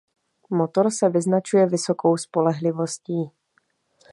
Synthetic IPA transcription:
mot̪o̞ɾsɛvɪznat͡ʃujɛvɪso̞kʰo̞wspo̞lɛɦlɪvo̞sciː

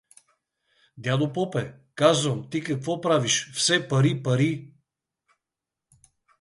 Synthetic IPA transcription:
d̪ʲad̪opɔpɛ | kazvəmt̪ikɐkvɔpɾaviʃfsɛpɐɾipɐɾi

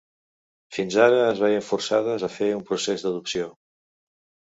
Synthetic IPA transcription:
finzaɾəːzβɛjəɱfuɾsað̞əzəfeumpɾusezd̪əðuksio

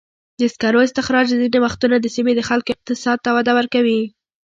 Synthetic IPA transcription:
d̪əɪskaɾoɪst̪ɪxɾɑɾd̪əzinewaxt̪unad̪əsimed̪əxalkoɪq̚t̪ɪsɑd̪̚t̪awad̪awəɾkawi

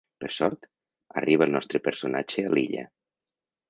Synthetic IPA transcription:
pəɾsɔɾt̪ | ə̰riβ̞əəlˠnɔst̪ɾəpəɾsonad͡ʒealiʎə̰

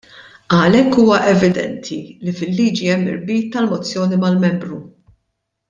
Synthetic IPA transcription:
ɐlɛkːuːwɐʔɛvɪd̪ɛ̰nt̪ʰilifɪlːiːd͡ʒiɛmːɪ̰ɾbiːt̪ːɐlmɔt͡sːjɔːnimɐlmɛmbɾu

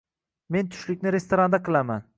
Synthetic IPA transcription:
me̞nt̪ʰʊ̥ʃlɪk̚ʲnɪɾe̞st̪oɾand̪aqʰɨlˠaman

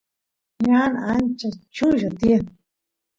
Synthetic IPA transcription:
ɲanant͡ʃat͡ʃuʒat̪ia

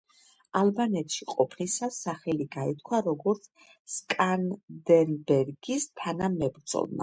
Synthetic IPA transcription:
alˠbanɛt̪ʰʃiqʼɔpʰnisasːaχɛliɡait̪̚ʰkʰwaɾɔɡɔɾt̪sʰ | kʼand̪ɛnbɛɾɡist̪ʰanamɛbɾd̪z̥ʼɔ̰lˠma̰

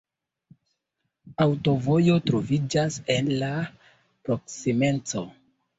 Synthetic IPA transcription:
awto̞vo̞jo̞tɾo̞vid͡ʒase̞nla | pɾo̞ksime̞nt͡so̞

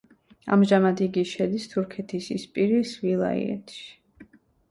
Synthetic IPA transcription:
a̰mʒamad̪iɡiʃɛd̪ist̪ʰuɾkʰɛt̪ʰisispʼiɾisvilˠa̰ḭɛ̰t̪ʰʃi̥

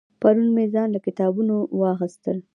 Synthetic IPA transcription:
paɾunmezɑnlakɪt̪ɑbunowɑxist̪əl

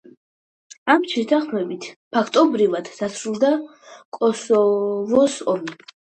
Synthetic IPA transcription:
amʃʰɛt̪ʰaχmɛbit̪ʰpʰakʰt̪ʼɔbɾivad̪̥d̪asʰɾulˠd̪a | kʼɔsɔvɔsɔm

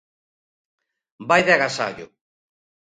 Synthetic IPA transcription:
bajðaɣasa̰ʎʊ̰

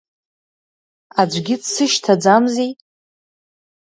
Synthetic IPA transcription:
ad͡ʒʷɡʲɪdsɨʃtʰad͡zamzi

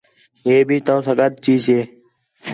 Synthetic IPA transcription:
jeːbʱiːt̪õːsəɡəd̪̚t͡ʃiːd͡ʒeː

